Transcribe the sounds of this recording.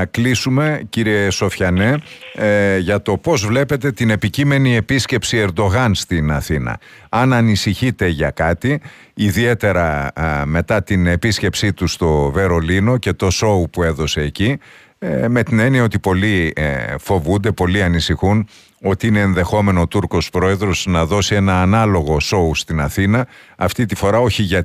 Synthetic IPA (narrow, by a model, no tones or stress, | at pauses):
ɐklisume̞ciɾie̞so̞fçɐne̞ | ʝɐt̪o̞po̞zvle̞pe̞t̪e̞t̪ine̞picime̞nie̞pisce̞psie̞ɾd̪o̞ɣɐnst̪inɐθinɐ̰ | ɐnɐnisiçit̪e̞ʝɐkɐt̪iː | ðie̞t̪e̞ɾɐme̞t̪ɐt̪ine̞pisce̞psit̪ust̪o̞ve̞ɾo̞lino̞ce̞t̪o̞so̞upue̞ðo̞se̞ːci | me̞t̪ine̞niɐo̞t̪ipo̞lifo̞vund̪e̞po̞liɐnisixun | o̞t̪iine̞ːnðe̞xo̞me̞not̪uɾko̞spɾo̞e̞ðɾo̞znɐðo̞sie̞nɐːnɐlo̞ɣo̞so̞ust̪inɐθinɐɐft̪it̪ifo̞ɾɐo̞çiʝɐ